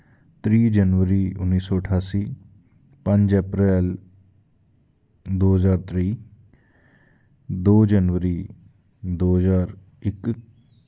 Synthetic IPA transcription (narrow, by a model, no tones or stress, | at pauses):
t̪ɾiːd͡ʒənʋəɾiːʊnːiːsɔːəʈʰaːsiː | pə̃ɲd͡ʒɛpɾɛːl | d̪oːɦəzaːɾt̪ɾiː | d̪oːd͡ʒənʋəɾiː | d̪oːɦəzaːɾ | ɪk